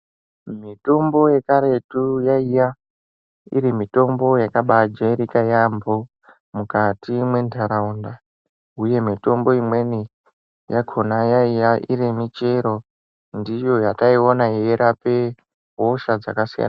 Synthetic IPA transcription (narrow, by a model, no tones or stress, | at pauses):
mito̞mbo̞je̞kaɾe̞tujaija | ḭɾimito̞mbo̞jakaɓad͡ʒaɾikajambo | mukatimwe̞ndʱaɾaunda | uje̞mito̞mbo̞imwe̞ni | jaɡʰʱonajaijaʔiɾemit͡ʃe̞ɾo̞ | ndijo̞jataio̞naɦeeɾape̞ | ɦo̞ʃad͡za̰kasija̰na